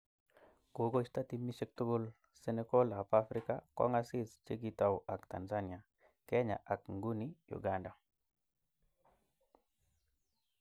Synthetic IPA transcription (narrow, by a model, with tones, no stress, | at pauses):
ko˨ɡo˦t͡ʃta˦t̪i˨mi˦ʃe˦k̚tu˦ɡʊl | sene˦ko˦la˨pafɾi˦ka̰kɔ̰˦ŋasi˦st͡ʃe˦ɡita˨wʔa˨kt̪a̰˨nsani˨a˨ | ke˦ɲa̰˨ʔa˨kŋɡu˦nijṵ˨ɡanda˨